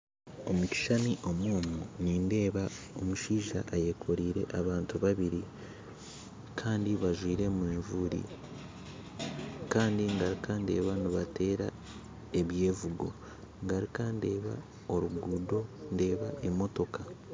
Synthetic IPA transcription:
o̞muci̥ʃaniʔo̞mwoːmuniːnde̞ːβa | o̞muʃiːʒaʔːje̞kʰo̞ɾiːɾe̞̰ʔaβaːntuβaβiɾi | kʰaːndiβaʒwiːɾe̞mweːɱvuɾḭ | kaːndiŋɡaɾikande̞̰ːβaniβate̞ːɾa | e̞βje̞ːvuɡo̞̰ | ŋɡaɾikande̞ːβa̰ | o̞ɾuɡudo̞nde̞ːβaʔe̞mo̞to̞ka

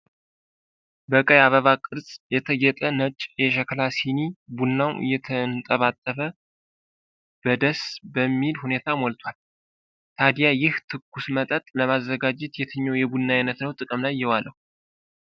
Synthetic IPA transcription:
bəkʼəjaβəβakʼɨɾsʼjɛt̪ʰəɡɛt̪ʼənət͡ʃʼjɛʃ̬ɛklasinibunːawɨ̰jːɛt̪ʰənt̪ʼəβat̪ʼːəfə | b̥əd̪əsbəmːilhune̞t̪ʰamɔlt̪ʰwal | t̪ʰad̪ijajɪht̪ʰɨkːusmət̪ʼət̪ʼləmazːəɡad͡ʒɪt̪jɛt̪ʰɨɲːowjɛbunːaɪnət̪nəwt̪ʼɨkʼəmlajːɪwaləhu

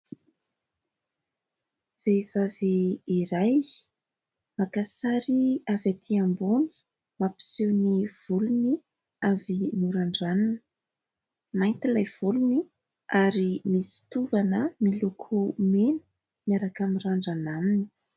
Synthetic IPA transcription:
v̥evaveiɾaj | makasaɾiavat̪ʰiamboni̥ | mapi̥siwniv̥uluni | avinuɾaɳɖ͡ʐanun | majnt̪ilajv̥uluni | aɾimisi̥t̪uvanəmilukʰumenə̥ | miaɾakamiraɳɖ͡ʐanamini̥

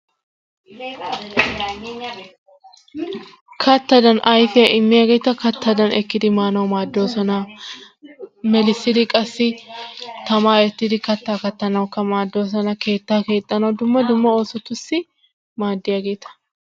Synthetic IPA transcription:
kʰɐt̪ːɐd̪ɐnʔɐjfɪjɐʔɪmːɪjɐɡeːt̪ːɐkɐt̪ːɐd̪ɐnɛkːɪd̪ɪmaːnɐwmaːd̪ːo̞ːsɔnɐ | mɛlɪsːɪd̪ɪkʼɐsːɪ | t̪ɐmaːjɛt̪ːɪd̪ɪkɐt̪ːaːkɐt̪ːɐnɐwkːɐmaːd̪ːo̞ːs̬ɔnɐkʰe̞ːt̪ːaːke̞ːt̪ʼːɐnɐwd̪ʊmːɐd̪ʊmːɐo̞ːsɔt̪ːʊsːɪ | maːd̪ːɪjɐɡe̞ːt̪ɐ̥

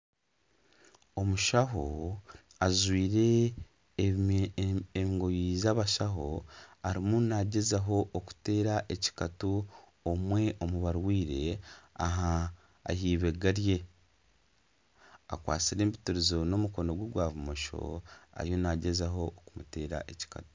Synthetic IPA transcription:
o̞muʃaɦo | azwiːɾe̞ | eŋɡo̞jizaβaʃaɦo̞aɾimunaɟe̞zaɦo̞ʔːku̥te̞ːɾaʔeci̥katu | omwe̞ʔo̞muβaɾwiːɾe̞aɦa̰ː | hiːβe̞ɡaɾje̞ | a̰kwa̰ːt͡siɾe̞ːmbituɾizo̞no̞muko̞no̞ɡweɡwaːvumoʃo̞̰a̰ɾjo̞naɟe̞zaɦookumute̞ːɾa̰ʔeci̥ka̰tu̥

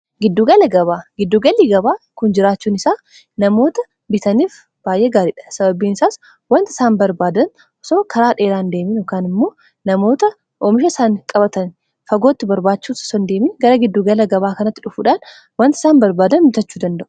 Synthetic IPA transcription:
ɡɪd̪ːuːɡɐlɐɡɐβaːɡɪd̪ːuːɡɐliːɡɐbaːkʊnd͡ʒɪɾaːt͡ʃːuːnɪsaː | nɐmo̞ːt̪ɐ | bɪt̪ɐniːf | b̥aːjʔeːɡaːɾiːᶑɐ̥sɐbɐbiːnɪsaːs | wɐnt̪ɪ̥saːnbɐɾbaːd̪ɐn | ɔsoːkʰɐɾaːᶑeːɾaːnd̪e̞ːmɪjoːkaːnɪmːo̞ː | nɐmo̞ːt̪ɐ | ʔomɪʃɐsaːŋkʼɐbɐt̪ɐn | fɐɡoːt̪ːɪbɐɾbaːt͡ʃːuːsɐ̥sɐnd̪e̞ːmiːɡɐɾɐɡɪd̪ːuːɡɐlɐɡɐβaːkɐnɐt̪ːɪᶑʊfuːᶑaːn | wɐnt̪ɪ̥saːnbɐɾbaːd̪ɐnbɪt̪ɐt͡ʃːuːd̪ɐnd̪ɐʔʊ̥

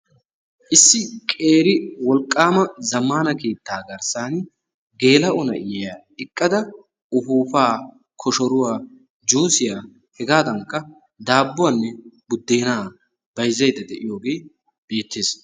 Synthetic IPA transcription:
ʔɪsːɪkʼeːɾɪwɔlkʼːaːmɐzɐmːaːnɐke̞ːt̪ːaːɡɐɾsaːn | ɡe̞ːlɐʔɔnɐ̰ʔɪjɛjaː | ɪkʼːɐd̪ɐ | ʊfuːfaː | kʰɔʃɔɾʊwaː | d͡ʒoːsɪjaː | hɛɡaːd̪ɐŋkːɐ | d̪aːbːʊwanːɛbʊd̪ːe̞ːnaː | b̥ɐjzːɐjd̪ɐd̪ɛʔɪjo̞ːɡe̞ː | b̥e̞ːt̪ːeːs

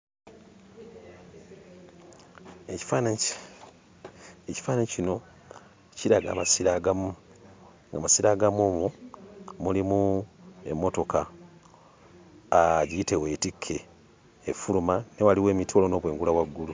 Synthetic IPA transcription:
e̞ci̥faːnaɲ | eci̥faːnaɲcino̞ | ciɾaɡa̰ːmasiɾaɡamu | ŋɡa̰masiɾaɡamomu | mulimue̞̰mːo̞to̞ka | ɟiite̞we̞ːtikʰːe̞ː | fulumanewaliwe̞ːmitʰoːlo̞no̞ːβwe̞ːŋɡulaβwaɡːulu

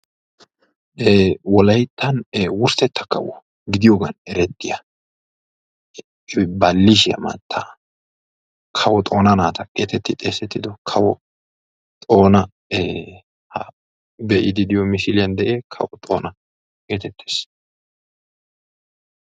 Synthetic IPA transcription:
ewɔlɐjt̪ːɐneːwʊɾsɛt̪ːɐkːɐ̰wɔ̰ | ɡɪd̪ɪjoːɡɐnɛɾɛt̪ːɪjɐ | bɐlːɪʃ̬ɪjɐ̰mɐ̰t̪ʰːɐ | kʰɐwɔt̪ʼo̞ːnɐnaːt̪ɐkʼe̞ːt̪ɛt̪ːɪt̪ʼeːsɛt̪ːɪd̪ɔkʰɐwɔ | t̪ʼo̞ːnɐ | e | hɐ̰ | bɛʔɪd̪ɪd̪ɪjɔmɪʃɪlɪjɐnd̪ɛʔeːkʰɐ̰wɔt̪ʼo̞̰ːnɐ | kʼe̞ːt̪ɛt̪ʰːe̥ːs

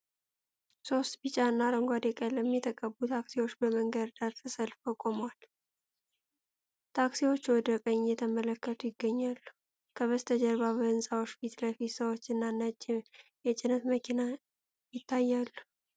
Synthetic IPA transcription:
so̞st̪bit͡ʃʼaɨnːaɾəŋɡʷad̪ekʼəlːəmːɛt̪ʰəkʼəbut̪ʰaksiwot͡ʃːbəməŋɡəɾd̪at̪ʰəsəlfəkʼomwal | t̪ʰaksiwo̞t͡ʃːwɔd̪əkʼəɲːjɛt̪ʰəmələkːət̪ʰʼujɪɡːəɲːalːu | kʰəβəst̪ʰəd͡ʒəɾβaβəɨnsʼawot͡ʃːfit̪ləfit̪səwot͡ʃːɨnːanːət͡ʃʼːɪjɛt͡ʃʼɪnət̪məkʰina | jɪt̪ːajːalːu

